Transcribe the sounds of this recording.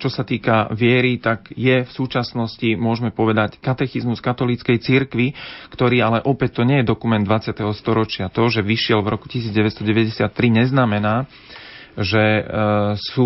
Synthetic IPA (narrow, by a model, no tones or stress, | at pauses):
t͡ʃɔsat̪iːkaʋɪɛɾit̪aɡjɛfsuːt͡ʃasnɔscimʊɔʒmɛpɔʋɛd̪ackat̪ɛxizmuskat̪ɔlit͡skɛjt͡siɾkʋikt̪ɔɾiːalɛʔɔpɛc̚t̪ːɔɲɪɛjɛd̪ɔkumɛnd̪ʋat͡sɪat̪ɛɦɔst̪ɔɾɔt͡ʃɪat̪ɔʒɛʋiʃɪɛlʋɾɔku̥cisiːd͡zɟɛʋɛst̪ɔɟɛʋɛɟɛsɪat̪ːɾiɲɛznamɛnaː | ʒɛ | suː